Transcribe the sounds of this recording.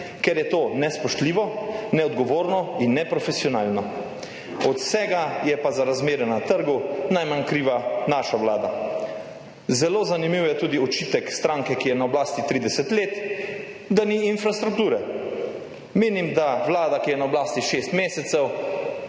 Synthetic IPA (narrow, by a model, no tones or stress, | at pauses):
kɛɾjɛt̪oːnɛspɔʃt̪liːʋɔnɛɔd̪ɡɔʋoːɾnɔinːɛpɾɔfɛsiɔnaːlnɔ | ɔt̪sɛːɡajɛpazaɾazmeːɾɛnat̪əɾɡunajmankɾiːʋanaːʃawlaːd̪a | zɛloːzanimiwjɛt̪uːd̪iɔt͡ʃiːt̪ɛkst̪ɾaːŋkɛkijɛnaɔblaːst̪it̪ɾiːd̪ɛsɛt̪leːt̪ | d̪aniːnfɾast̪ɾuk̚t̪uːɾɛ | meːnimd̪awlaːd̪akijɛnaɔblaːst̪iʃeːst̪meːsɛt̪sɛw